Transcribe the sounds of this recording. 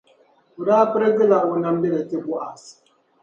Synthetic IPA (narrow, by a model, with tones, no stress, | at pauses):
u˨daː˦pɨ˦ɾɨ˦ɡɨ˦la˦˨u˨na˦m˦bi˦lɛ˨tɨ˦bu˦ʔa˨s